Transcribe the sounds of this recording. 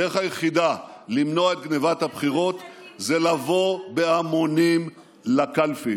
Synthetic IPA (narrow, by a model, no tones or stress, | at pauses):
eχhajeχid̪alimno̞ae̞t̪̚ɡnevat̪habχiʁo̞t̪zelavo̞beamonim | lakalfi